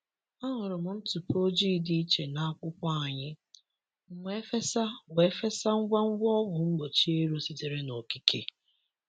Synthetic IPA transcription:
a˦ɦʊ˨ɾʊ˨m̩˨n̩˦tu˨po˦d͡ʒi˦˨di˦i˦t͡ʃe˨na˦a˦kʷʊ˦kʷa˦a˨ɲɪ˦ | ŋ͡m̩˨ŋʷ˦e˦fe˦sa˦we˨˦fe˦sa˦ŋ̩˦ɡʷa˦ŋ̩˦ɡʷɔ˦ɦʊ˨ŋ͡m̩˦ɡ͡bo˨t͡ʃi˦e˦ɾo˦si˦te˨ɾe˦no˨ki˦kʰe˦

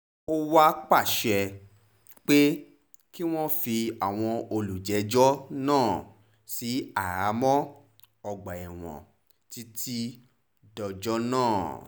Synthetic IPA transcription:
o˦wa˦k͡pa˦˨ʃɛ˧ | k͡pe˦ | ki˦w̃ɔ̃˦fi˧a˨w̃ɔ̃˧o˧lu˨d͡ʒɛ˨˦d͡ʒɔ˦nãː˦˨ | si˨˦a˦˨ɾa˨˦mɔ̃˦ | ɔ˧ɡ͡ba˨ɛ˨w̃ɔ̰̃˨ | ti˦ti˦ | dɔ˧d͡ʒɔ˦nãː˦˨

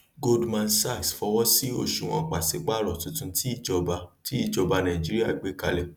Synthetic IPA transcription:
ɡo˦dmã˧n̩sa˦˨sfɔ˧wɔ̃˦si˦o˦˨ʃu˨w̃ɔ̃˧k͡pa˨se˨˦k͡pa˦ɾɔ˨tũ˨˧tũ˧ti˦i˦˨d͡ʒɔ˧ba˧ti˦i˦˨d͡ʒɔ˧ba˧nã˨d͡ʒi˦ɾi˦a˦˨ɡ͡be˨˦ka˧˦lɛ˨

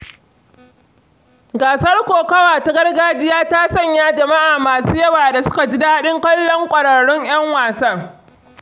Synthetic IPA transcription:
ɡaː˨sɐ˦rkʷoː˨kɐ˦waː˨ta˦ɡɐ˦rɡaː˦d͡ʒɪ˦jaː˦taː˦sɐ˦˨ɲjaː˦d͡ʒɐ˨ma˦ʔaː˨maː˨suː˦jɐ˦waː˨da˨sʊ̥˦ka˨d͡ʒɪ˦daː˦ɗɪ˦ŋkʷɐ˦lːɔ˦ŋkʷʼɐ˨ɽɐ˨ɽʊ˦ɲʔj̰ɐ˦ŋwaː˨sɐ˦˨

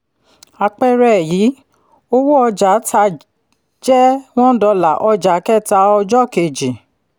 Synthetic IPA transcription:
a˧k͡pɛ˦ɾɛ˦˨jiː˨˦ | o˦wo˦ɔ˧d͡ʒa˨˦ta˧ | d͡ʒɛ˦w̃ɔ̃˦dɔ˧la˨ʔɔ˧d͡ʒa˨˦kɛ˦˨ta˧ɔ˧d͡ʒɔ˦˨ke˨d͡ʒi˨

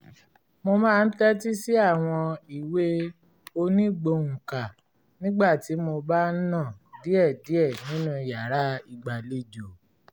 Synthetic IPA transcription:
mo˧mãː˦˧n̩˦tɛ˦ti˦si˦a˦˨w̃ɔ̃˧i˨we˦ | o˧nĩ˦ɡ͡bo˧ŋ̩̃˨ka˨ | nĩ˦ɡ͡ba˦˨ti˨˦mo˧ba˦nã˦˨di˦ɛ˦˨di˨˦ɛ˦˨nĩ˨˦nũ˦i˨ja˨ɾa˦i˨ɡ͡ba˨le˦d͡ʒo˨

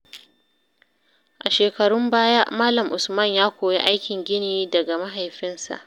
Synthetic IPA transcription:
ʔa˨ʃeː˨kɐ˨ɽʊ˦mbaː˦ja˦ʔmaː˦lɐ˨mʔʊ˨smɐ˦˨ɲjaː˦kʷoː˨ji˦ʔa˦jkʲɪ˨ŋɡʲɪ˦niː˦dɐ˨ɡa˨ma˦ɦa˨jɸɪ˦nsa̰˨ʔ

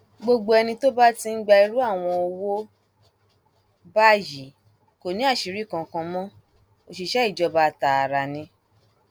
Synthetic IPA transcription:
ɡ͡bo˧ɡ͡bo˧ɛ˧nĩ˧to˦ba˦ti˧ŋ̩˦ɡ͡ba˧i˧ɾu˦a˦˨w̃ɔ̃˧o˧wo˦ | ba˦ji˨˦ | ko˨nĩ˨˦a˦˨ʃi˨ɾi˦˨kã˨˧kã˧mɔ̃˦ | o˧˨ʃi˧ʃɛ˦i˦˨d͡ʒɔ˧ba˧˦˨ta˨a˨ɾa˨nĩ˧

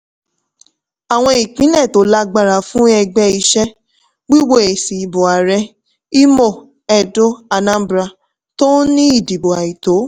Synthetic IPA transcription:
a˨w̃ɔ̃˧i˨k͡pĩ˨˦nɛ̃˦˨to˨˦la˦ɡ͡ba˧ɾa˨fũ˦ɛ˧ɡ͡bɛ˧i˧ʃɛ˦ | ɡ͡bi˦wo˦e˨si˨bo˨a˨ɾɛ˧˦ | i˦mo˦˨ | ɛ˧do˦a˧nã˦bɾa˧˨ | to˦nĩ˦i˦˨di˨bo˨a˨i˨to˨˦

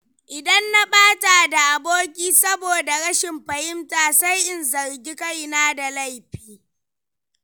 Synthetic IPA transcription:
ʔɪ˨dɐ˦nːa˦ɓaː˦ta˨da˨ʔa˨boː˦kʲiː˦sɐ˦boː˨da˨ɽɐ˦ʃɪ˨mɸɐ˨hɪ˦mtaː˨sa˦jʔɪ˨nzɐ˨ɾɡʲi˦ka˦jnaː˦da˨la˦jɸiː˦

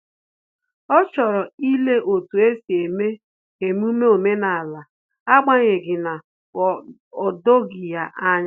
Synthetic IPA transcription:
ɔ˦t͡ʃɔ˨ɾɔ˨i˦le˦ʔo˨tu˨e˦si˨e˨me˦ | e˨m˦u˦me˦o˨me˦na˨la˨ | a˦ɡ͡ba˦ɲe˨ɡɪ˨na˨ | ɔ˨do˦ɡi˨ja˦ʔa˦ɲ˦

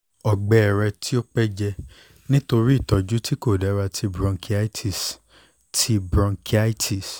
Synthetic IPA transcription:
ɔ˨ɡ͡bɛ˨ɛ˨ɾɛ˧tʰi˦o˦k͡pɛ˦d͡ʒɛ˧ | nĩ˦to˧ɾi˦i˦˨tɔ˨˧d͡ʒu˦tʰi˦ko˦˨dɛ˨˦ɾa˧tʰi˧bɾɔ̃˧ŋkʰi˦a˦tʰi˨s | tʰi˧bɾɔ̃˧ŋkʰi˦a˦tʰi˨s

